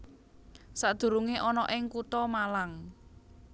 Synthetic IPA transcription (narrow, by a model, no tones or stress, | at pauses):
sad̪̥ṳɾuŋeʔɔnɔʔɪŋkut̪ɔmalaŋ